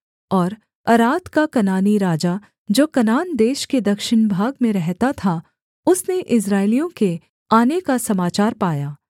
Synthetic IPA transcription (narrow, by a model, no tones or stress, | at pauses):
ɔːɾ | ɐɾaːt̪kakɐnaːniɾaːd͡ʒa | d͡ʒoːkɐnaːnd̪eːʃked̪ɐkʃɪnbʱaːɡmẽɾɛɦt̪at̪ʰa | ʊsneʔɪs̬ɾaːɪlijõke | aːnekasɐmaːt͡ʃaːɾpaːjaː